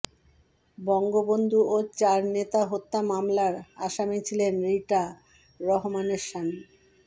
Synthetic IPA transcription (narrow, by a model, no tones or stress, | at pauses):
bɔŋɡobond̪ʱuot͡ɕaɾnet̪aɦot̪ːamamlaɾa̰ʃamit͡ɕʰilenɾiʈa | ɾɔɦomaneɾʃani